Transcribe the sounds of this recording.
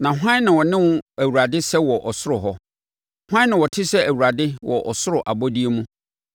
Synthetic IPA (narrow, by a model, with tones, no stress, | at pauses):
nã˨ɦʷã˦nɪ̃˨wɔ˨nɪ̃˦wʊ̃˦æ˨wu˨ɾa˨dɪ˦sɛ˦wɔ˨ʔɔ˨sʊ˦ɾʊ˨ɦɔ˦ | hã˦nɪ̃˨wɔ˨tʰɪ˦sɛ˦ʔæ˨wu˨ɾa˨dɪ˦wʔɔ˨ʔɔ˨sʊ˦ɾʊ˨ʔa˨bɔ˦di˦e˦mũ˦